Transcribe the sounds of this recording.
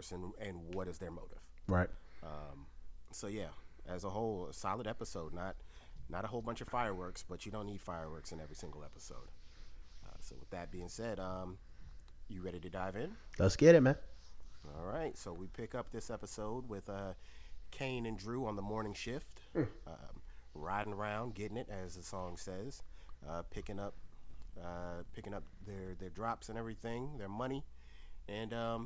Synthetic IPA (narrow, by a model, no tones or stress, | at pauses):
sɨ̃nɨ̃nwʌɾɨzðə˞moʊɾɨ̰v̥ɹaɪt̚ʌ̃msoʊjæʔɨzəɦoʊlˠsɑlˠəɾɛpəsoʊdⁿnət̚nəɾəɦoʊlˠbʌ̃nt͡ʃʌv̥faɪə˞wɜ˞ksb̥ʌt͡ʃɨɾõʊ̃nːid̥faɪə˞wɜ˞ksɨ̃nɛvɹisɪ̃ŋɡl̩ˠɛpəsoʊd̥ | ʌ̰soʊwə̰ðɨt̚b̥iɪ̃ŋsɛdʌ̃m | jɨɹɛɾiɾɨdaɪvɪ̃nlətsɡ̥ɛɾɨt̚mæ̃nɔ̰lˠɹaɪtsoʊwipʰɪkʌp̚ðɪsɛpəsoʊd̚wɪð̥ʌkʰẽɪ̃nɨ̃ndɹʉə̃nðəmɔɹnɪ̃ŋʃɪft | ʌ̰ɹaɪɾɪ̃ŋə˞ãʊ̃nd̚ɡɛɾɪ̃ŋɨɾɨzðəsɔ̃ŋsɛz̥ʔʌpʰɪkɪ̃ŋʌp̚ʌpʰɪkɪ̃ŋʌp̚ðə˞ðə˞dɹɑpsɨ̃nɛvɹiθɪ̃ŋðə˞mʌɾ̃i | ɨ̃nʌ̃m